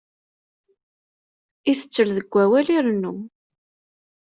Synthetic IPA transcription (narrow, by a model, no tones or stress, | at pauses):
iθə̥t͡sːəlðəɡʷːæwæliɾnːu